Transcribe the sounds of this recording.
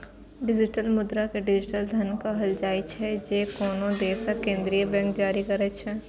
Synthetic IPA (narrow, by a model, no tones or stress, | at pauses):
ɖɪd͡ʒɪʈəlmʊd̪ɾakeɖɪd͡ʒɪʈəld̪ʱɐnkaɦɐld͡ʒaːɪt͡ʃʰɛd͡ʒeːkoːnõd̪eːsakẽːnd̪ɾijəbɛ̃ːŋk̚d͡ʒaːɾikɐɾət͡ʃʰɛː